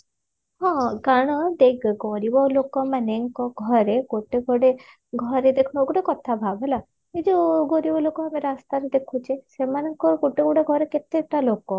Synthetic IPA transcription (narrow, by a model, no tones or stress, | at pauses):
ɦɔ̃ɡaɽ̃ɔd̪ekɡɔɾibɔlokɔmaneŋkɔɡʱɔɾeɡoʈeɡʱɔɽe | ɡʱɔɾed̪ekʰunɔɡoʈekɔt̪ʰabʱabʱela | id͡ʒuɡoɾibɔlokɔameɾast̪aɾed̪ekʰut͡ʃʰesemanɔŋkɔɡoʈeɡɔɽeɡʱɔɾeket̪ek̚ʈalokɔ